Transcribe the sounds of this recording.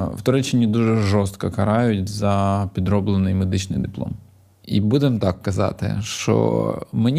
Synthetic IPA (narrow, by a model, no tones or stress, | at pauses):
wt̪ɔɾɛt͡ʃɪnʲid̪uʒɛʒɔst̪kɐkɐɾɑjʊtʲzɐpʲid̪ɾɔblˠenɪjmed̪ɪt͡ʃnɪ̰jd̪ɪplˠɔ̰m | ḭbud̪emt̪ɑkːɐzɑ̰t̪ɪ̰ʃt͡ʃɔ̰menʲ